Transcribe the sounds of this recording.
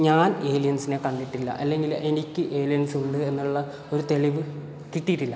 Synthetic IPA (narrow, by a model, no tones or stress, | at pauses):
ɲaːne̞ːlijɐnsine̞kɐɳɖiʈːilːɐ̰ʔɐlːe̞ŋɡile̞nikʲːɨʔe̞ːlijɐnsuɳɖɨe̞nːuɭːɐ | o̞ɾut̪e̞ɭiʋɨ | kiʈːijiʈːilːɐ